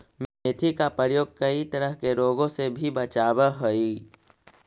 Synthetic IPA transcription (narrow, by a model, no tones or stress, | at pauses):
met̪ʰikapəɾjoːɡ̚kəit̪əɾəɦkeɾoːɡõsebʱibət͡ʃaːbəɦoi